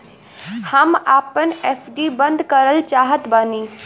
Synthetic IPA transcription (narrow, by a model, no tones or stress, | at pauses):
həmaːpəneːfʰɖibɐ̃nd̪kəɾəlt͡ʃaːɦət̪bɐniː